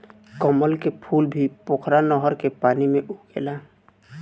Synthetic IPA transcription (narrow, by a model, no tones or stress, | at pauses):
kɔməlkepʰulbʱipokʰɾanɔɦɔɾkepaːnimeʔuɡḛla